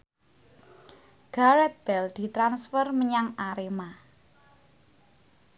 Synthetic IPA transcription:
ɡ̥aɾɛt̪̚b̥ɛld̪̥i̤t̪ɾansfərməɲaŋaɾema

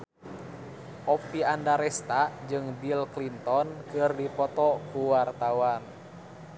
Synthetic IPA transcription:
ʔɔpiandaɾɛst̪ad͡ʒɨŋbilklint̪ɔnkɨrdipɔt̪ɔkuwart̪awan

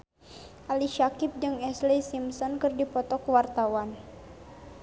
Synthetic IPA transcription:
ʔaliʃakip̚dɨŋɛslisimsɔnkɨrdipɔt̪ɔkwart̪awan

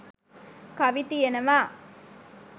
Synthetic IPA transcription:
kɐʋit̪ienɐʋaː

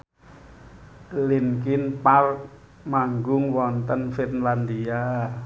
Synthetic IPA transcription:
linkɪnpark̚ | maŋɡʊŋwɔnt̪ənfit̪nland̪ia

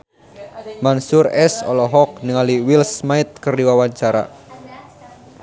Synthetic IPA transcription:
mansurɛsɔ̰lɔɦɔk̚nəŋaliwilsmait̪̚kərdiwawaɲt͡ʃaɾa̰

